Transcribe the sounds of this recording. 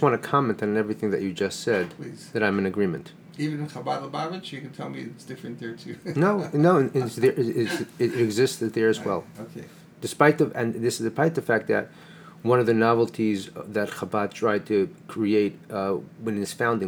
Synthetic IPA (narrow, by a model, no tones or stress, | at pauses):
ʌswɑ̃ñtɨkʰɑmɛ̃ntn̩ɛvɹiθɪ̃ŋðɨ̰t͡ʃɨd͡ʒʌstsɛd̪̚ðɨɾãɪ̃mɨ̃nɨɡɹĩmɨ̰̃nt | ivɨ̃nɨ̃nχabadˡlˠəbavɨt͡ʃjɨkɨ̃n̩tʰɛlˠmiɪtsd̥ɪfɹɨ̃nðɛɹtʰʉnoʊnoʊɨ̃nɨðə˞ʔɪɪsɪɪɾɨɡzɪstɨd̪ðə˞ɨzwɛ̰lˠokʰe | d̥ɨspaɪt̪̚ðɨɨ̃nðɪsɨzɨpʰaɪt̪̚ðɨfæk̚t̪̚ðɨ̰t̚ | wʌ̃nʌvðɨnɑvl̩ˠtʰizðɨtχabɑd̚tʰɹ̥aɪd̚tʰɨkʰɹ̥ieɪt̚wɨ̃nɨz̥fãʊ̃ndɪ̃